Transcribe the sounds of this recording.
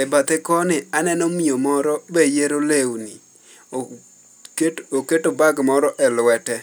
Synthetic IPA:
ɛbat̪ɪkɔnɪanɛnɔmiomɔɾɔbejeɾolewni | oketobaɡmɔɾɔʔɛlwɛtɛ

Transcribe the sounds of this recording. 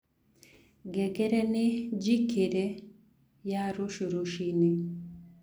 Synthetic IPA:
ɡɛɡɛɾɛnɪd͡ʒikeɾɛ | jaɾuʃuɾuʃine

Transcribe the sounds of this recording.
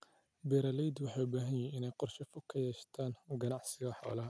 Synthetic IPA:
bɛɾɐlɛjd̪wɑħɑːʊbaːɦɐnjɛjɪnɛjqɔrʃɐfʊkʰɐjɛːʃt̪ʰaːnɡɐnɑʕsɪɣɐħɔ̰ːlɐ

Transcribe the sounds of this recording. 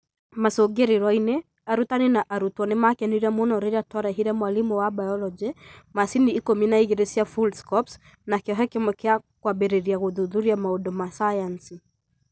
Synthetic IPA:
masɔɡɛɾiɾainɛ | aɾut̪aninaʔaɾutwɔnɛmakɛniɾamɔnɔɾɛɾiatɔɾaɦiɾamwalimuwabajɔlɔd͡ʒɛmasiniːkɔminaiɣɛɾɛsiafulskɔps | nakɔɦɛkɛmwɛkɛakwaɓɛɾɛɾiaɣuðuðuɾiamaɔɗɔmasajansi

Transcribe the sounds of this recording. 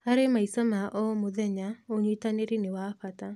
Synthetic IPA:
aɾemaisɔmaʔɔmʊðɛɲaoɲitaneɾinɪwaɸata

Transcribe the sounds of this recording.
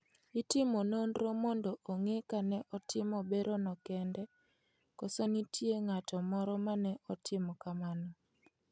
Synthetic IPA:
itɪmononɾomɔndoʔoŋekanɛʔɔtʰɪmɔbeɾʔonɔkɛndɛ | kɔsonitʰjeŋatɔmɔɾɔmanɛʔɔtʰɪmɔkamanɔ

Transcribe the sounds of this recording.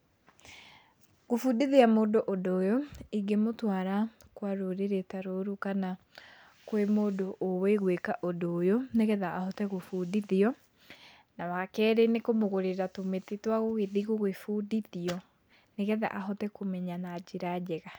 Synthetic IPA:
ɣofudiðeamoːdoʔodoːjoiɡemotwaɾa | kwaɾoɾeɾetaɾoɾukana | kwemoːdoʔoweɣwekaʔodojoneɣɛðaʔahɔtɛɣofudiðiɔ | nawakɛːɾenekomoɣoɾeɾatometetwaɣoɣeðiɣoɣefudiðiɔ | neɣɛða̰ʔaɦɔtɛkomɛɲanad͡ʑeɾad͡ʑɛɣa

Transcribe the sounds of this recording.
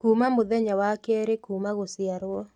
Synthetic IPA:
kumamʊðɛɲawakɛɾekumaɣosɪaɾwɔ

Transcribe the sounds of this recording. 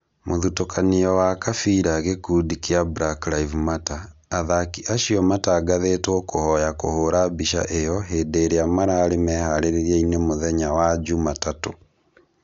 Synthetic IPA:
moðutokʰaniɔwakafiɾaɣekuːdikeabɾakɾaivmataː | ðakiʔaʃiɔmataɡaðetwɔkohɔjakohoɾabiʃa̰ʔejɔɦedeɾeamaɾaːɾemɛhaɾeɾeɾiɛinemoðɛɲawad͡ʒumatato

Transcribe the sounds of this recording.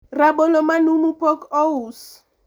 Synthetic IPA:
rabɔlɔmanumupʰɔkɔus

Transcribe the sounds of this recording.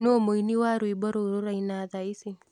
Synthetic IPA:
noomoiniwaɾuibɔɾoɾoɾainaðaisi

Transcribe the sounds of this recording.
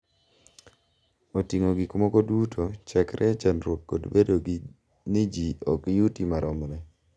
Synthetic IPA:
otiŋoɡɪkmɔkɔdutot͡ʃakɾʔɛt͡ʃanɾwot̚ko̰dbedoɡ | nɪd͡ʒiɔkjutimaɾʔɔmɾɛ

